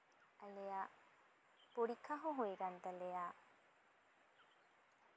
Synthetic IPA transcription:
ɐlejaː | poɽikʰɐɦuɦueɡɐnt̪ɐlejaː

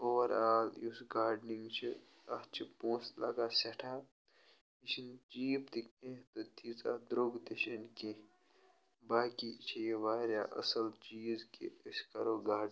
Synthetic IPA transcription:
oːʋɐɾaːljusɡaːɾɖniŋɡt͡ʃʰi | ɐt͡ʃʰipõːslɐɡaːsɐʈʰaː | iʃint͡ʃiːbt̪ikẽt̪ot̪ʰit͡sa̰d̪ɾoɡt̪iʃɐnke | baːkit͡ʃʰijeʋaːɾja̰ːʔɐ̰sɐlt͡ʃiːzkḛskɐɾoːɡaːɖ

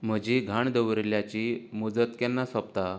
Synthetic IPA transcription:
m̤əd͡ʑiɡʱaɳd̪əʋɾljat͡ɕimud͡zət̪kɛnːasəp̚t̪a

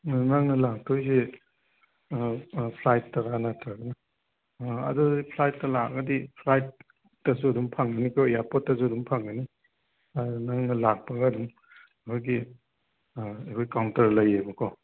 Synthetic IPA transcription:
naŋnɐlak̚tʰojse | pʰlajtːɐɾanatʰɾaɡɐnɐ | ɐ̰dudipʰlajtːɐlaɡɐdipʰlajt̚ː | ɐsuɐdumpʰaŋɡɐnikʰɔjapɔt̚ːɐsuɐdumpʰaŋɐni | anaŋnɐlak̚pɐɡɐdum | kʰojɡi | ekʰojkawntɐɾlɐjebɐkʰɔ

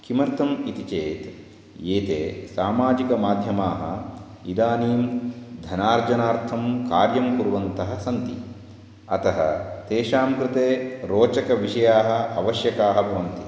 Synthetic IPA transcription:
kimɐɾt̪ʰɐmit̪it͡ʃeːt̪ | eːt̪eːsaːmaːd͡ʒikɐmaːd̪ʱjɐmaːɦɐ̰ | id̪aːniːmd̪ʱɐnaːɾd͡ʒɐnaːɾt̪ʰɐmkaːɾjɐmkuɾuʋɐnt̪ɐɦɐ̆sɐnt̪i | ɐt̪ɐɦɐ̰t̪eːʃaːmkɾɪt̪eːɾoːt͡ʃɐkɐʋiʂɐjaːɦɐ̆ɐʋɐʃjɐkaːɦɐbʱɐʋɐnt̪i

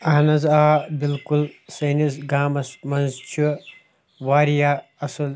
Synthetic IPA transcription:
ɐɦnɐzaːbilkulsɐːnizɡaːmɐsmɐnzt͡ʃʰu | ʋaːɾijaː | ɐsul

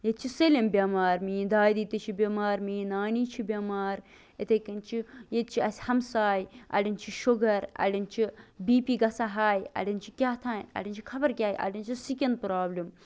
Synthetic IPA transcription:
jet̪̚t͡ʃʰiselʲɐmbʲɐmaːɾmiːd̪aːd̪it̪ɐt͡ʃʰibʲɐmaːɾmiːnaːniːt͡ʃʰibʲjɐmaːɾ | et̪ʰekɐnt͡ʃʰijet̪̚t͡ʃʰiɐsʲhɐmsaːjɐ̰ɽʲɐnt͡ʃʰiʃuɡɐɾɐ̰ɽʲɐnt͡ʃʰibiːpiɡɐsaɦaːjɐ̰ɽʲɐnt͡ʃʰikʲaːt̪ʰaːnɐ̰ɽʲinʲt͡ʃʰi̥kʰɐbɐɾkʲaːjʔɐ̰ɽʲinʲt͡ʃʰisikʲɐnd̪̚pɾaːblim

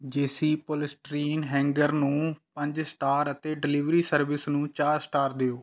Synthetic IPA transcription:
d͡ʒeːsiːpoːlɪsʈɾiːnɦɛ̃ːŋɡəɾnũːpəɲd͡ʒsʈaːɾət̪eːɖɪliʋɾiːsəɾʋɪsnũːt͡ʃaːɾsʈaːɾd̪eːoː

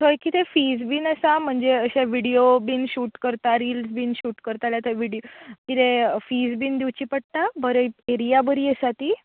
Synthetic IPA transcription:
t̪ʰəjkit̪efiːd͡zbiːnəsam̤əɳd͡zeəɕaʋiɽiobiːnɕuːʈkəɾt̪aɾiːlsbiːnɕuːʈkəɾt̪aljat̪əʋiɽijokit̪efiːd͡zbiːnd̪iwt͡ɕiːpəɽt̪abəɾəeɾijabəɾiːəsat̪iː

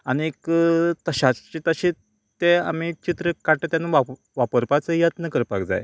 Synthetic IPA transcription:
añiekt̪əɕat͡ɕit̪əɕi | t̪ea̰m̤it͡ɕit̪ɾəkaʈet̪janaʋa | ʋapəɾpat͡səijət̪nəkəɾpa̰ɡd͡za̰j

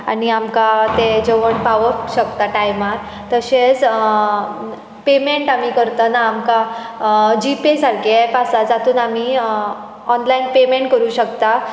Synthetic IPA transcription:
a̰niamkat̪ed͡zeʋəɳpaʋəkɕəkt̪aʈajmaɾ | t̪əɕet͡s | pemeɳʈamikəɾt̪ənaːmka | d͡ʑipesaɾkekasad͡zat̪uːnami | ɔnlainpemeɳʈkəɾuːɕəkt̪a

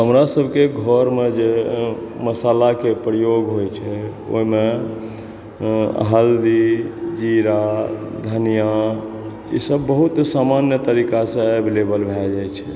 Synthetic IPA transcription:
ɦəmɾasəbʱkeɡʱɔɾmed͡ʒe | məsalakepɾəjoɡɦojt͡ʃʰɛ | o̰ɦime | ɦald̪id͡ʒiɾa | d̪ʱənija | ḭsəbːəɦut̪samanjət̪əɾikasẽablebəlbʱɛld͡ʒajt͡ʃʰɛ

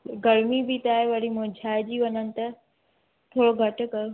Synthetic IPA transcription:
ɡɐɾmibit̪aːɦeʋɐɽimʊ̃ːd͡ʑʱaːɪd͡ʑiːʋɐɲənɪ̆t̪ɐ | t̪ʰoːɽoɡʱɐʈʊ̆kɐjo

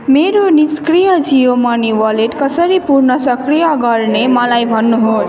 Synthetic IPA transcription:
meɾoniskrijʌd͡zijomʌniwʌleʈkʌsʌɾipurnʌsʌkrijʌɡʌrnemʌlajbʱʌnːuɦos

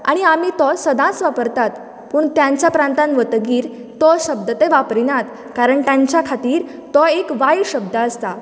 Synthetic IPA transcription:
a̰ɽ̃iamiːt̪ɔsəd̪ãt͡sʋapəɾt̪at̪ | puːɳt̪jãɲt͡ɕjapɾãnt̪ãnʋət̪ɡiːɾ | t̪ɔɕəb̚d̪ət̪eʋapɾinat̪ | kaɾəɳt̪jaɲt͡ɕjakʰat̪iːɾ | t̪ɔekʋajɕəb̚d̪ʱəəst̪a

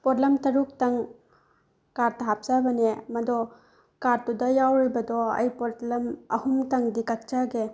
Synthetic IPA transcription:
pɔtlɐmtɐɾuk̚tɐŋ | kaɾtɐɦap̚sabɐnemɐdɔ | kaɾtudɐjawɾibɐdɔɐ̰jpotlɐmɐ̰humtɐŋdikɐk̚t͡ʃaɡe

